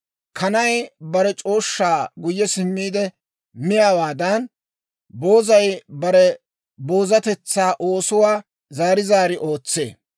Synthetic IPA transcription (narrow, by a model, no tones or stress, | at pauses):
kʰɐnɐjbɐɾɛt͡ʃʼo̞ːʃːaːɡʊjːɛsɪmːiːd̪ɛ | mɪjawaːd̪ɐn | bo̞ːzɐjbɐɾɛ | bo̞ːzɐt̪ɛt͡sːaːʔo̞ːsʊwaː | zaːɾɪzaːɾɪʔo̞ːt͡sːḛː